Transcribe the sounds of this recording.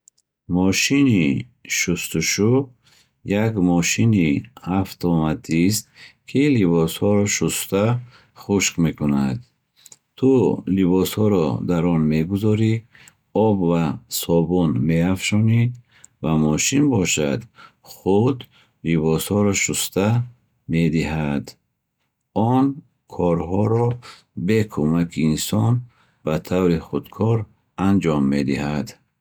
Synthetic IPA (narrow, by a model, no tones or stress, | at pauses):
mɔʃini | ʃust̪uʃu | jakmɔʃiniaft̪ʰɔmat̪ʰist̪kʰiliβɔshɔɾɔʃust̪a | χuʃkmekʰunad̪ | t̪ʰulibɔshɔɾɔd̪aɾɔnme̞ɡuzɔɾi | ɔbvasɔbunmeafʃɔnid̪ | vamɔʃinbɔʃad̪ | χud̪ | libɔshɔɾɔʃust̪a | med̪iɦad̪ | ɔn | kʰɔɾɦɔɾɔ | bekʰumakʰiːnsɔn | b̥at̪ʰavɾiχud̪kʰɔɾ | and͡ʒɔmːed̪ihad̪